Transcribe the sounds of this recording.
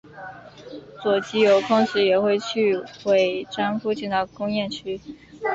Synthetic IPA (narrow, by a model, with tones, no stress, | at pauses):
t͡swɔ˨˩t͡ɕi˥jo˧˥ʊkʰʊ˥ŋɕ̩˧˥jɛ˨˩xwe˥˧ɪt͡ɕʰy˥˧xwe˨˩ɪʈ͡ʂa˥nfu˥t͡ɕʰi˥˩ŋd̪ɑ˥˩kʊ˥ŋjɛ˥˩nt͡ɕʰy˥